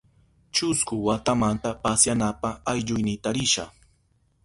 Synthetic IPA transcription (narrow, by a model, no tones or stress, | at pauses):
t͡ʃʊskʊwat̪amant̪apasjanapaajʎʊjnɪt̪aɾɪʃa̰χ